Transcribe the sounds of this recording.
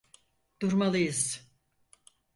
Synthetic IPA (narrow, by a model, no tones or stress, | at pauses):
d̪̥uɾmalˠɯjɯz̥